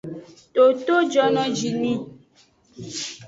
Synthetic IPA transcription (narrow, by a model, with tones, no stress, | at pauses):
to˨t̪o˦d͡ʒɔ˦nɔ̃˦d͡ʒi˨nĩ˦